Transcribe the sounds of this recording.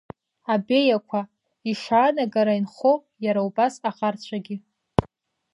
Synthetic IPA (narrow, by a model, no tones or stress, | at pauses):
abe̞jakʷʰa | iʂaːnaɡaɾainχo | jaɾaubasaqʼart͡ɕʷʰaɡʲɪ